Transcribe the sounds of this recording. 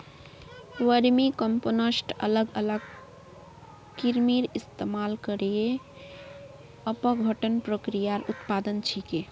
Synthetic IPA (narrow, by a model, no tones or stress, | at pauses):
ʋəɾmikəmponəsʈə̰ləɡələɡ | kiɾmiɾist̪emalkəɾje | əpəbʱəʈənpɾokɾijaɾut̪pad̪ənt͡ʃʰike